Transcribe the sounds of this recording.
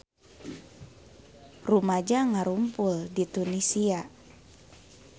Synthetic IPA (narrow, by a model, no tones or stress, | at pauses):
rumad͡ʒaŋaɾumpuldit̪unisia